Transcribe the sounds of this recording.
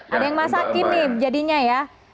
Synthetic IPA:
adajaŋmasakɪrnɪd͡ʒadiɲaja

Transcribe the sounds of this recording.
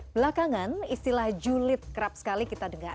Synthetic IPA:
b̥əlakaŋanist̪ilahd͡ʒulɪt̪̚kəɾap̚sə̥kalikit̪adəŋar

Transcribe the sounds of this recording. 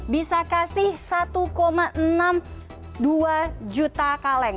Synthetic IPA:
bisakasɪhsat̪ukomaʔənam | duad͡ʒut̪akalɛŋ

